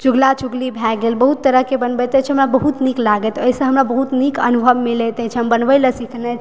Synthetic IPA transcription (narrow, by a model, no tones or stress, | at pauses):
t͡ʃuɡlat͡ʃuɡlibʱɛɡelbəɦut̪ːəɾəɦkebənbət̪ɛt͡ʃʰɛɦəmɾabəɦut̪niklaɡət̪əɦisə̃ɦəmɾabəɦut̪nikə̰nubʱəbmilɛt̪ɛt͡ʃʰənbənbələsikʰnɛ